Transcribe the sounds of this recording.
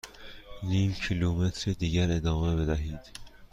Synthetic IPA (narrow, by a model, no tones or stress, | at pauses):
niːmcʰiluːmet̪ʰɾed̪iːɟæɾe̞d̪ɒːme̞be̞d̪æɦiːd̪̥